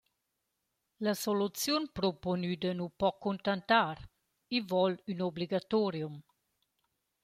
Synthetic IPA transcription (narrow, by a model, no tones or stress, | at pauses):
ləsolut͡sjunpɾoponyd̪ənupɔkʰːunt̪ant̪aɾ | ivɔlynobliɡat̪ɔɾjum